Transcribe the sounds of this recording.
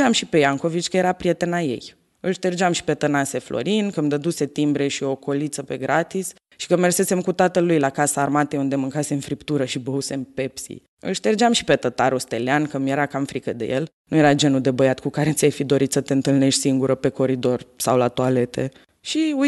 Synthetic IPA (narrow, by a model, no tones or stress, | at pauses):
amʃipe̞jaŋko̞vit͡ʃʲkəjeɾapɾije̞t̪enaje̞̰j | ɨlʃt̪erd͡ʒeamʃi̥pe̞t̪ənase̞flo̰ɾinkəmd̪əd̪use̞t̪imbɾe̞ʃio̞ko̞lit̪səpe̞ɡɾat̪is | ʃi̥kəme̞rse̞se̞mkut̪at̪əlːujlakasaːrmat̪eund̪e̞mɨŋkasemfɾipt̪uɾəʃibəuse̞mpe̞psḭ | ɨ̰lʃt̪erd͡ʒamʃi̥pe̞t̪ət̪aɾost̪e̞leankəmjeɾakamfɾikəd̪e̞̰jelnuje̞ɾad͡ʒe̞nud̪e̞bəjat̪̚kukaɾe̞t̪sijajfid̪o̞ɾit̪sət̪e̞ɨnt̪ɨlne̞ʃt̪ʲsiŋɡuɾəpe̞ko̞ɾid̪o̞rsawlat̪uale̞t̪e̞̰ | ʃiu